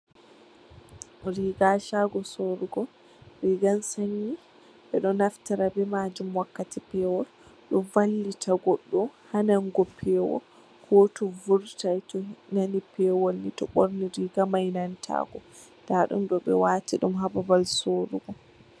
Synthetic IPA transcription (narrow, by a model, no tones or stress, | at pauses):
ɾiɡaʃaɡɔsoɾuɡɔ | ɾiɡansaɲi | ɓɛɗɔnaftaɾabɛmad͡ʒumwakːatipɛːwɔl | ɗɔvalːitʰaɡɔɗːɔhanaŋɡɔpʰɛwɔ̰ | hɔtɔvuɾtajtɔnanipʰɛwɔlnitɔɓoɾniɾiɡamajnantʰa̰ɡɔ | d̥aɗṵmɗɔɓɛ̰watiɗumɦababalsoɾuɡɔ